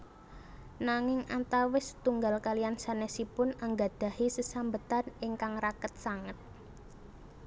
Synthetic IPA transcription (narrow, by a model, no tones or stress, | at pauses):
naŋɪŋat̪awɪst̪uŋɡalkaliansanɛsipʊnaŋɡa̤d̪̥a̤hisəsambət̪anɪŋkaŋrakət̪̚saŋət̪̚